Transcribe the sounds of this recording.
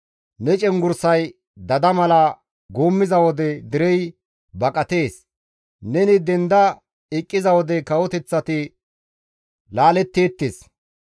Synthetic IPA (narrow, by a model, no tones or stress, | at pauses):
nɛt͡ʃʼɛŋɡʊɾsɐj | d̪ɐd̪ɐmɐlɐ | ɡoːmːɪzɐwɔd̪ɛd̪ɪɾɛj | bɐkʼɐt̪e̞ːs | nɛnɪd̪ɛnd̪ɐ | ɪkʼːɪzɐwɔd̪ɛkɐwɔt̪ɛt͡sːɐt̪ɪ | laːlɛt̪ːe̞ːt̪ːeːs